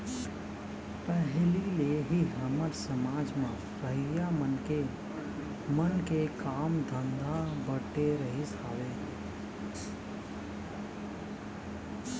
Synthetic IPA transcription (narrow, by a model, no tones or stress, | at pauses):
pəɦlileɦiɦəməɾsəmaːd͡ʒmã | ɾəɦɪjamənke | mənkekaːmd̪ʱə̃nd̪abəʈeɾəɦisaːʋeː